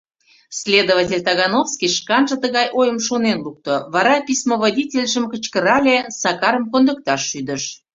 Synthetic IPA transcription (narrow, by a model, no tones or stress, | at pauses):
sʲlʲed̪ovɑtʲelʲt̪ɑɣɑnofskiʃkɑnʒə̆t̪əɣɑjʔojəmʃonenluk̚t̪oβɑɾɑpʲismovodʲitʲelʲʒəmkət͡ɕkəɾɑlʲesɑkɑɾəmkond̪ək̚t̪ɑʃːyd̪ə̆ʃ